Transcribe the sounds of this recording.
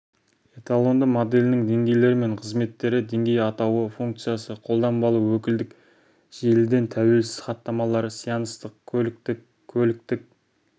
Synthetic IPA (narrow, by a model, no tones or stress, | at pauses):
et̪alˠo̞nd̪əmod̪e̞lʲɪnɪŋd̪e̞ŋɡʲe̞jle̞ɾɪme̞ɴqʰəzme̞t̪ːe̞ɾɪd̪e̞ŋɡʲe̞jɑt̪ɑwəfuŋk̚t̪sɨjasəqʰo̞lˠd̪ɑmbɑlˠuwɵkʲɪld̪ɪk | ʒ̥e̞lɪd̪e̞nt̪ʰæwe̞lsɪ̥z̥χɑt̪ːɑmɑlˠɑɾəsijɑnəst̪əq̪ɪ | kʲʰːɵlɪk̚t̪ɪk̚